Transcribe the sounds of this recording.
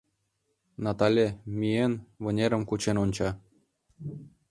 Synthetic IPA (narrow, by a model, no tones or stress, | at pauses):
nɑt̪ɑlʲemienβɤ̆nʲeɾə̆mkut͡ɕenonʲt͡ɕɑ